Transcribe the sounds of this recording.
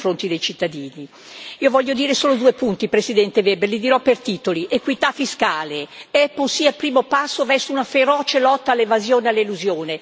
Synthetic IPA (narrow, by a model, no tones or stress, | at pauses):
fɾont̪id̪ejt͡ʃit̪ːad̪iːni | iːovɔʎːod̪iːɾesoːlod̪uːepunt̪ipɾesid̪ɛnt̪evɛberlid̪iɾɔpert̪iːt̪oliʔekwit̪afːiskaːleɛpːolsiːalpɾiːmopasːovɛrsounafeɾɔːt͡ʃelɔt̪ːalːevazjoːnealːeluzjoːne